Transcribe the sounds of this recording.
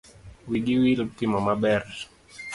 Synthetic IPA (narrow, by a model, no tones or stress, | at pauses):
wiɡiwilup̚t̪imamabɛr